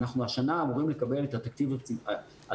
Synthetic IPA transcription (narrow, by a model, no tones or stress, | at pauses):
naχnuaʃanaːmuʁimle̞kabe̞let̪at̪akt̪ivabt͡sia | a